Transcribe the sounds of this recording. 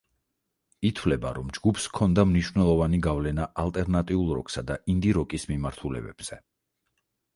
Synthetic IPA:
it̪ʰwvlɛbaɾɔmd͡ʒɡupʰskʰɔnd̪amniʃwvnɛlˠɔvaniɡavlɛnaʔalˠt̪ʼɛɾnat̪ʼiulˠɾɔ̰ksad̪aʔind̪iɾɔkʼismimaɾt̪ʰulɛ̰bɛ̰b̥z̥ɛ

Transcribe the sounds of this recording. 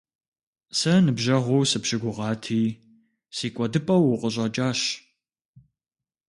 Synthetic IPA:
sɐnɨbʒɐʁʷʊwsɨpɕɪɡʷʊʁɑːtʰiː | siːkʷʼɔdɨpʼɐwʊqʼəɕ̬ʼɐt͡ʃʼaːɕ

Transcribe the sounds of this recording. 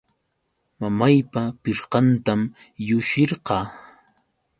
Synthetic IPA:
mamajpapɪɾqɑnt̪am | jʊʃɪɾɢɑː

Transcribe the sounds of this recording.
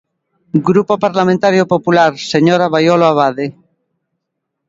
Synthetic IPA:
ɡɾupopaɾlamẽnt̪aɾjopopulaɾseɲoɾaβajoloaβaðe

